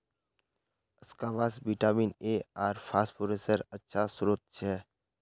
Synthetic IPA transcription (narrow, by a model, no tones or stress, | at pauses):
ɪskaʋasbiʈaːmiːneaːɾpʰaːsʈpoɾesəɾətːʃʰasʊɾoːt̪̚t͡ʃʰɛː